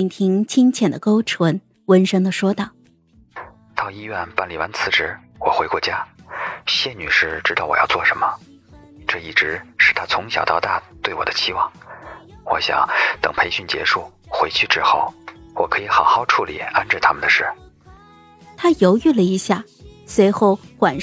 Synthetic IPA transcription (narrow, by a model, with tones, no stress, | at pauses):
nt̪ʰi˧˥ŋt͡ɕʰi˥ŋt͡ɕʰjɛ˨˩nd̪ə̰˦ko˥ʊʈ͡ʂʰwə˧˥n | wə˧˥nʂɤ˥ŋd̪ə˨ʂwɔ˥t̪ɑ˥˩ʊ | t̪ɑ˥˧ʊi˥ɥɛ˥˩npa˥˩nli˨˩wa̰˧˥nt͡sʰɹ̩˧˥ʈ͡ʂɻ̩˧˥ | wɔ˨˩xwe˧˥ɪkwɔ˥˩t͡ɕja˥ | ɕjɛ˥˩ny˨˩ʂɻ̩˥˩ʈ͡ʂɻ̩˥t̪ɑ˥˩ʊwɔ̰˨˩jɑ̰˥˧ʊt͡swɔ˥˩ʂə˧˥nmə˧ | ʈ͡ʂɤ˥˧i˥˩ʈ͡ʂɻ̩˧˥ʂɻ̩˥˩t̪ʰa˥t͡sʰʊ˧˥ŋɕjɑ˨˩ʊt̪ɑ˥˧ʊt̪a˥˧t̪we˥˩ɪwɔ̰˨˩d̪ə˦t͡ɕʰi˥wɑ˥˩ŋ | wɔ̰˧˥ɕjɑ̰˨˩˦ŋt̪ɤ̰˨˩ŋpʰe˧˥ɪɕy˥˩nt͡ɕjɛ̰˧˥ʂu˥˩ | xwe˧˥ɪt͡ɕʰy˥˧ʈ͡ʂɻ̩˥xo˥˩ʊwɔ˨˩kʰɤ˧˥i˧˥xɑ˨˩ʊxɑ˥˧ʊʈ͡ʂʰu˥˩lḭ˨˩a˥nʈ͡ʂɻ̩˥˩t̪ʰa˥mə˨nd̪ə˩ʂɻ̩˥˩ | t̪ʰa˥jo˧˥ʊy˥˩lə˩i˧˥ɕja˥˩ | swe˧˥ɪxo˥˩ʊxwa˨˩n